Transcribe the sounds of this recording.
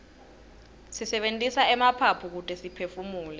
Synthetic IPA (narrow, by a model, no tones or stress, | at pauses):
sisɛɓentʼisaɛmapʰapʰuk̬utʰʼɛsipʰefumuːlɛ